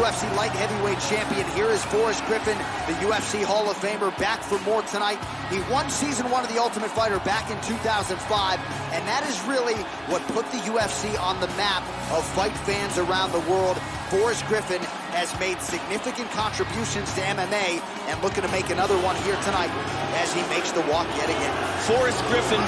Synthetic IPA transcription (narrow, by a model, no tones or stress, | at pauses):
jɛfsilaɪt̚hɛviweɪd̚t͡ʃʰæ̃mpiɨ̃nɦiɹɨz̥fɔɹɨsɡ̥ɹɪfɨ̃n | ðɨjʉɛfsihɔlˠʌv̥fẽɪ̃mə˞bækfə˞mɔɹtʰɨnaɪt̚ | ðiwʌ̃nsizɨ̃nwʌ̃nʌvðiʌlˠtəmɨtfaɪɾə˞bækɨ̃ntʰʉθaʊzɨ̃n̩faɪv | ɨ̃nðɨɾɨzɹɪlˠi | wʌt̚pʰʊt̪̚ðɨjʉɛfsiʔə̃nðəmæp | ʌv̥faɪtfæ̃nzə˞ãʊ̃nðəwɜ˞lˠd̥̚ | fɔɹɨsɡ̥ɹɪfɨ̃n | ɨzmeɪd̥sɨɡ̚nɪfɨkɨ̃nkʰɑ̃nt͡ʃɹ̥ɨbjʉʃɨ̃nz̥tʰɨɛ̃mɛ̃meɪ | ɨ̃nlʊkɪ̃ŋtʰɨmeɪkɨnʌðə˞wʌ̃nhiɹtʰɨnaɪɾ | ɨz̥imeɪksðəwɔkjɛɾɨɡɛ̰̃nfɔɹɨsɡ̥ɹɪfɨ̃n